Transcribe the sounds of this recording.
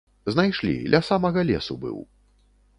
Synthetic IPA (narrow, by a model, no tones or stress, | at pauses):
znajʂlʲḭlʲɐsamɐɣɐlʲɛsubɨ̰w